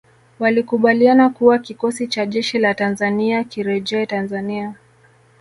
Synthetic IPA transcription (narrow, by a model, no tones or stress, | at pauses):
walikuɓalianakuwakikɔsit͡ʃaʄɛʃilatanzaniakiɾɛʄɛɛtanzania